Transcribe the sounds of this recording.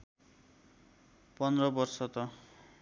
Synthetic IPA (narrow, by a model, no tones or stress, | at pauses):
pʌnd̪rʌbʌrsʌt̪ʌ